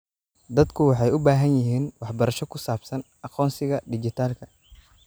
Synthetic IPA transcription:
d̪ɐd̪kʰʊwɑħɑjʊbaːɦɐnjɪɦiːnwɑħbɐɾɐʃɔkʰʊsaːbsɐn | ɐqɔːnsɪɣɐɖɪt͡ʃɪt̪ʰaːlkʰɐ

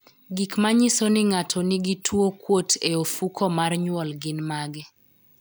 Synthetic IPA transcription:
ɡikmaɲɪsonɪŋatʰoniɡitʰwokwotʰeofukʰɔmarɲwɔlɡɪnmaɡɛ

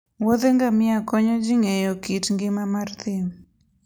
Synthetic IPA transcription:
wod̪eŋɡamɪakɔɲɔd͡ʒiŋejɔkitŋɡɪmamart̪ɪm

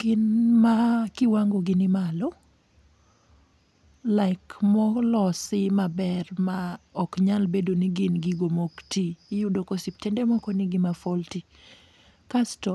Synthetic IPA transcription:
ɡ̥ɪnmakɪwaŋɡoɡɪnɪmalɔ | laɪkmɔlɔsɪmabɛrmaɔkɲalbedoniɡɪnɡiɡomoktijudokosip̚tɛndɛmɔkɔniɡɪmafolti | kastɔ

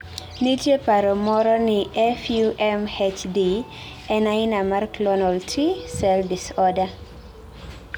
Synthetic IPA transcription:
nitjepaɾɔmɔɾɔnɪɛfjuʔɛmhet͡ʃdi | ɛnaɪnamarklɔnaltʰisɛldisɔda

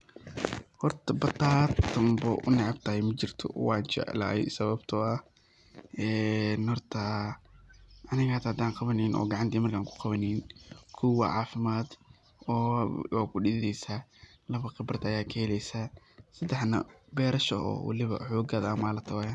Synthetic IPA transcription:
hɔrt̪ʰɐbɐt̪ʰaːt̪ʰːɐmbɐʔʊ̰nɑʕɑbt̪ʰɐhɛjmɐt͡ʃɪrt̪ʰɔ̰wɑːnt͡ʃɛ̰ʔla̰ːɛ̰sɐβɐbt̪ʰɔɐ | ʔɛːnhɔrt̪ʰɐ | ʔɐnɪɣɐt̪hɐd̪aːŋqɑβɐnɛjnʔɔ̰ːɡɑʕɑnt̪ʰiːmɐrkʰaːŋkʰʊ̥qɑβɐninkʰʊwɐʕɑːfɪmaːd̪ | ɔːwaːkʰʊɖɪðdɛjsa | lɐβɐqɪbrd̪ɐjaːkʰɐhɛlɛjsaː | sɐd̪ɛħnɐ̰bɛːɾɐʃɔɔ̰ːwɑ̰lɪβɐ̰ħɔːɡɐðaːmaːlɐt̪ʰɐwjan

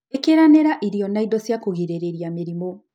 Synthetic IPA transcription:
ekeɾaneɾaʔiɾiɔnaidɔsjakoɣeɾeɾeɾijameɾimo

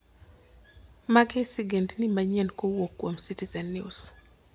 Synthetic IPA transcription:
maɡesiɡɛndnimaɲɛnkowokːwomsitizɛnːius

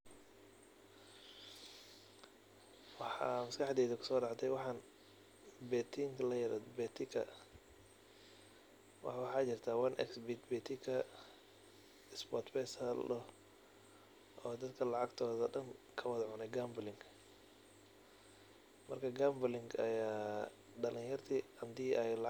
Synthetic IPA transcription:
wɑħɑ̰ːmɐskʰɑħd̪ɛːðɐkʰʊ̥sɔːɖɑʕt̪ʰɛjwɑħɑːn | bɛːt̪ʰiŋkʰlɐjɐɾɐ̰d̪bɛːt̪ʰɪkʰɐ | wɑ̰wɑħɑːt͡ʃɪrt̪ʰaːwɐnʔɛ̰ksbit̪bɛt̪ʰɪkʰɐ | ɪsbɔt̪bɛːsɐlɔ | ʔɔːd̪ɐd̪kʰɐlɑʕɑɡt̪ʰɔːðɐɖɐnkʰɐwɑðʕʊnɛɡamblɪŋkʰ | mɐrkʰɐɡaːmblɪŋɡɐjaː | ɖɐlɪ̃ŋjɐrt̪ʰiɐnd̪iːʔɛjlɑ

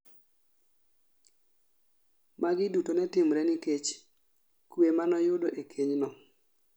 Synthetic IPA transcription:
maɡɪdutonɛtɪmɾɛnɪket͡ʃ | kwemanɔjʊdoʔekʰeɲnɔ

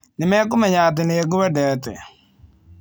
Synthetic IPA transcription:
nɪmɛkʊmɛɲat̪̬ɪnɪeɡʊwɛdɛt̪ɪ̰

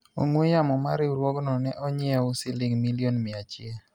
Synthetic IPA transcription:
o̰ŋwejamɔmaɾɪuɾwɔɡnɔnɛʔɔɲɪɛʊsɪlɪŋmilionmɪat͡ʃɪe

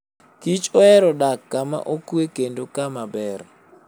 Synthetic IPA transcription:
kit͡ʃʼɔɛɾɔɗaɡ̥ama̰ʔokuɛɡendɔkamaɓɛːɾa

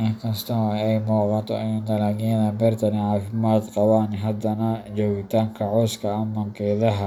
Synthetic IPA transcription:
ʔɪŋkʰɐst̪ʰɔɛjmuːqɑnt̪ʰɔʔɛjund̪ɐlaːɣijɐðɐbɛrt̪ʰɐniʕɑːfɪmaːd̪qɑwaːnɪɦɐd̪ɐnɐt͡ʃɔːɣɪt̪ʰaːŋkʰɐʕɔːskʰɐɐmɐŋqɛːðɐɦɐ

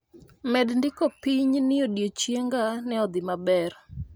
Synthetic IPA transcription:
mɛdndɪkopiɲnɪodjot͡ʃjeŋɡanɛɔd̪ɪmabɛr

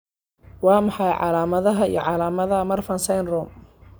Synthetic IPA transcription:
wɑːmɑħɑjʕɑ̰laːmɐðɐɦɐḭjɞʕɑlaːmɐðɐmɐrfɐnsɐjnrɔːm

